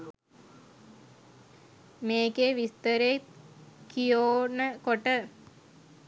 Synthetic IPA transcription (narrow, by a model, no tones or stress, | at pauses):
meːkeʋist̪əɾeːkijoːnəkoʈə